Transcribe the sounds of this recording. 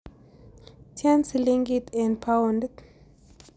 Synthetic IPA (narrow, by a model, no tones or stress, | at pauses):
tʰjansliŋɡit̪ʰɛ̃npʰawndt